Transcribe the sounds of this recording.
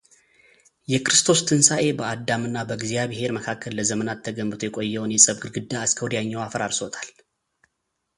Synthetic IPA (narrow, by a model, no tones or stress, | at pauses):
jɛkɾɨst̪ʰo̞st̪ʰɨnsaʔe̞bəad̪amɨnːabəɡzijaβhe̞ɾməkʰakʰːəlːəzəmənat̪ʰːəɡəmːbɨt̪ʰujɛkʼo̞jːɛwnjɛsʼəβɡɨɾɡɨd̪ːaːskʰəwd̪jaɲːawafəɾaɾsot̪ʰal